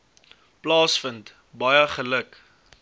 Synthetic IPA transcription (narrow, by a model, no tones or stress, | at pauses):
plɑːsfənt | bɐjəχələk